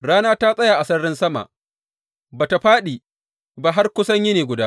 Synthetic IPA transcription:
ɽaː˦naː˦ta˦sʼɐ˦jaː˨ʔa˨sɐ˦ɽɪ˦nsɐ˦ma̰˨ʔ | baː˨ta˨ɸaː˦ɗiː˨ | ba˨ɦa˦rkʷʊ˦sɐ˦ɲjɪ˦neː˨ɡʷʊ˨daː˦

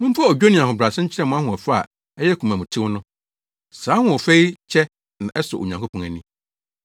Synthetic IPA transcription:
mʊ̃˦m̩˦fa˦o˨d͡ʑᶣo˦nĩ˨ã˨hʊ̃˨bɾa˨sɪ̃˦ɲ̩˦t͡ɕʰɪ˦ɾɛ˦mʊ̃˨a˦ɦʊ̃˨ɔ˨fa˦a̰˨ | ɛ˦jɛ˦kʰu˨mã˨mũ˨tʰɪ̃˦wʊ˦nʊ̃˦ | saː˨˦hʊ̃˨ɔ˨fe˦i˦t͡ɕʰɛ˦ | nã˨ʔɛ˦sɔ˨ʔo̰˨ɲã˨ŋkʰo˦pʰɔ̃˨ŋæ˨nĩ˦

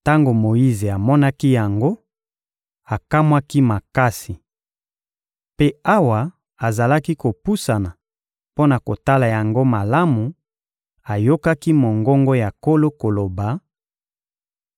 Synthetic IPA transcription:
ta˦ŋɡo˨mo˨ji˦ze˨a˨mɔ˦na˦ki˦ja˨ŋɡo˦ | a˨ka˦mwa˦ki˦ma˨ka˦si˨ | pe˦a˦wa˨ | a˨za˨la˦ki˦ko˨pu˦sa˨na˨ | po˦na˨ko˨ta˦la˨ja˨ŋɡo˦ma˨la˦mu˨ | a˨jo˦ka˦ki˦mo˨ŋɡɔ˦ŋɡɔ˦ja˨ko˦lo˦ko˨lo˨ba˨

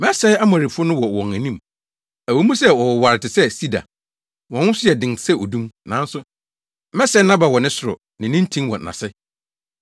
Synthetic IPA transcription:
mɛ˦sɛ˦ɪ˦a˦mã˨ɾi˨fʊ˦ʊ˦nʊ̃˦wɔ˨wɔ̃˨ŋæ̃˨nĩ˦m | æ˨wɛ˨˦mũ˦sɛ˦wɔ˨wɔ˨wa˨ɾɪ˨tʰɪ˨sɛ˦si˦da̰˨ | wɔ̃˨wʊ̃˦sʊ˦jɛ˨dɪ̃˨ŋ˨sɛ˦o˨dũ˦mnã˨˦n̩˦sʊ˦ | mɛ˦sɛ˦nã˦ba˨wɔ˨nɪ̃˦sʊ˨ɾʊ̰˨ | nɪ̃˨nɪ̃˦n̩˦tʰĩ˦ŋwɔ̰̃˨nã̰˨sɛ˦

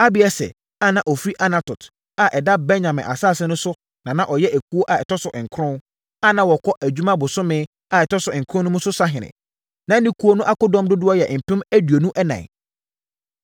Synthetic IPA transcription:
a˦bɪ˨ɛ˦sɛ̰˨ | a˦nã˨ʔɔ˨fɾi˦ʔa˦na˨tʊ˨tʰ | a˨ʔɛ˨da˦bɛ˦ɲã˨mɪ̰̃˨ʔa̰˨saː˦˨sɛ̃˦nʊ̃˦sʊ˦ | nã˨nã˨ʔɔ˨jɛ˦ʔæ˨kʰu˦o˦ʔa˨ɛ˨tʰɔ˦sʊ˨ʔɪ˨ŋ̩˨kʰɾʊ̃˦n | a˦nã˨wɔ˨kʰɔ˦ʔæ˨d͡ʑᶣu˦mã˦bʊ˨sʊ˦mɪ̃˦ | a˨ɛ˨tʰɔ˦sʊ˨ɪ̃˨ŋ̩˨kʰɾʊ̃˦nʊ̃˦mũ˦sʊ˦sa˦ɦɪ̃˨nɪ̰̃˨ | nã˨˦nĩ˦kʰu˦o˦nʊ̃˦ʔa˦kʊ˦dɔ̃˦mdʊ˦dʊ˦ɔ˦jɛ˨ʔm̩˨pʰɪ̃˦mæ˦dɥo˨nũ˦ʔɛ˦nã̰˨

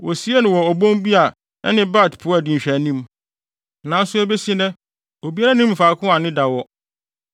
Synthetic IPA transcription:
wɔ˨si˦e˦nʊ̃˨wɔ˨ɔ˨bõ˦n˦bi˦a˨ | ɛ̰˦nɪ̃˦ba˦˨tpʰʊ˨˦a˨dĩ˨ɲ̩˨ɕᶣæ˨nĩ˦m | nã˨˦n̩˦sʊ˦ɛ˦be˦si˦e˦nɛ̃˦ | o˨bi˦a˦ɾa˦nĩ˦m˨faː˨˦kʰʊ̃˦a˨nɪ̃˦da˨wɔ˦

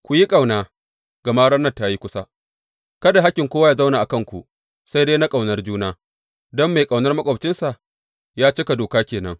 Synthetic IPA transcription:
kʷu˨ji˦kʼa˨wnaː˦ | ɡ̥ɐ˨maː˦ɽɐ˦nːɐ˦˨ta˦ji˦kʷʊ˦sa˦ | kɐ˦da˨ɦa˦kʲːɪ˨ŋkʷoː˦wa˦jaː˨za˦wna˨ʔa˨kɐ˦ŋkʷṵ˨ | sa˦jdeː˦na˦kʼa˨wnɐ˦rd͡ʒuː˦naː˦ | dɔ˦mːa˨jkʼa˨wnɐ˦rmɐ˦kʷʼoː˨bt͡ʃɪ˦nsa˨ʔ | jaː˦t͡ʃɪ˦ka˨doː˨kaː˦kʲeː˨nɐ̰˦ŋ

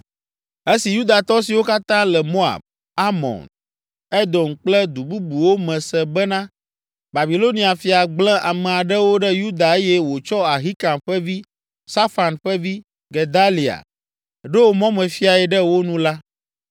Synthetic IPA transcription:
e˦si˨ju˦d̪a˨t̪ɔ˦si˨wo˦ka˦t̪ã˦lɛ˨mo˦a̰˨b̚ | a˦mɔ̰̃˨n | ɛ˦d̪ɔ˨nk͡plɛ˦d̪u˨bu˦bu˨wo˦mɛ̃˨sɛ˨bɛ˦nã˦ | ba˨bi˨lo˦nĩ˨a˨fi˨a˨ɡ͡blɛ̃˦ʔa˨mɛ̃˨a˨ɖɛ˦wo˦ɖɛ˦ju˦d̪a˨e˦jɛ˦wo˨t͡ʃɔ˦a˨ɦi˦kã˨mɸɛ˦vi˦ | sa˦fa˨nɸɛ˦vi˦ | ɡe˨d̪a˦li˨a̰˨ | ɖɛ˦wo˦mɔ̃˦mɛ̃˨fi˦a˨ɛ˨ɖɛ˦wo˦nũ˦la˦

